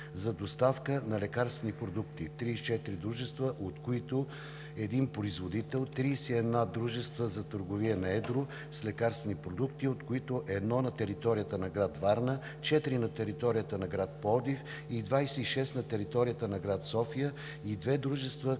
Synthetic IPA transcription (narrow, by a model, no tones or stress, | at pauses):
zɐd̪ost̪afkənɐlɛkaɾst̪vɛnipɾod̪ukt̪it̪ɾist͡ʃɛt̪iɾid̪ɾuʒɛst̪vəʔot̪koit̪o | ɛd̪inpɾoizvod̪it̪ɛlˠt̪ɾiːsiɛd̪nad̪ɾuʒɛst̪vəzɐt̪əɾɡoviɛnɐɛd̪ɾo | slɛkaɾst̪vɛnipɾod̪ukt̪iot̪koit̪oʔɛd̪nɔnɐt̪ɛɾit̪ɔɾijət̪ənɐɡɾat̪vaɾnə | t͡ʃɛt̪iɾinɐt̪ɛɾit̪ɔɾijət̪ənɐɡɾat̪̚pɔd̪if | id̪vajsɛiʃɛst̪nɐt̪ɛɾit̪ɔɾijət̪ənɐɡɾat̪sɔfijə | id̪vɛd̪ɾuʒɛst̪və